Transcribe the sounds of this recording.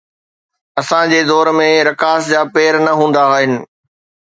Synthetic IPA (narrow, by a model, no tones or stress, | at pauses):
ɐsãd͡ʑeːd̪ɔːɾmẽɾɐkaːsd͡ʑaːpeːɾnɐɦũːn̆d̪aaːɦɪnɪ̆